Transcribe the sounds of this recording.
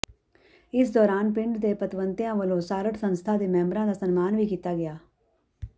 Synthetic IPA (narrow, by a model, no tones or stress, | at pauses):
ɪsd̪ɔːɾaːnpɪɳɖd̪eːpət̪ʋənt̪ɪjãːʋəlõːsaːɾəʈsənst̪ʰaːd̪eːmɛ̃ːmbɾãːd̪aːsənmaːnʋiːkiːt̪aːɡɪjaː